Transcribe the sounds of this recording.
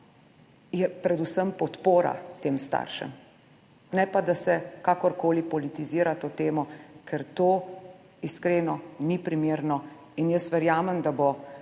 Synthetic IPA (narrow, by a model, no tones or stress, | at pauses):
jɛpɾɛd̪usəmpɔt̪poːɾa̰t̪eːmst̪a̰ːɾʃɛ̰m | nɛpad̪asɛkaːkɔɾkoːlipɔlit̪iziːɾat̪oːt̪eːmɔkʰɛɾt̪oː | iskɾeːnɔnipɾimeːɾnɔ | injəst̪ʋɛɾjaːmɛmd̪abo